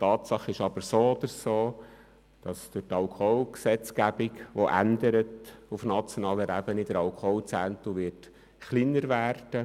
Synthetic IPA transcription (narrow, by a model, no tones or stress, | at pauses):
tɑːtsɑχɪʃɑbəɾsoːɔd̥̪əɾsoː | d̥ɑsd̥ʊɾtɑlkʰoulksɛt͡skæb̥ɪkʋɔʔænd̪əɾətufnɑt͡sjɔnɑːləɾʔæb̥ənid̥̪əɾɑlkʰohult͡sænt̪uʋɪrt | χlinːəɾʋæːrd̥ə